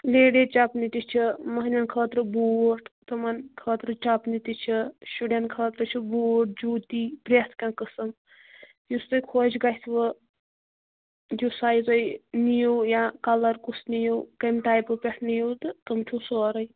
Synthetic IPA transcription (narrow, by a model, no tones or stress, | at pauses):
leːɖet͡ʃapnit̪it͡ʃʰimɐɦnʲɐnkʰəːt̪ɾɨboːʈʰt̪ɨmɐnkʰəːt̪ɾɨt͡ʃapnit̪it͡ʃʰiʃuɽenkʰəːt̪ɾɨt͡ʃʰiboːʈ̚d͡ʒuːt̪ipɾʲet̪ʰkãkəsɐm | just̪ɨjkʰod͡ʒɡajt̪ʰʋɨ | d͡ʒusaːjzɐjnijowjãkɐlɐɾkusnijowkɐmʈ̪aːjpɨpʲeʈʰnijot̪ɨt̪ɐmt͡ʃʰusoɾɐj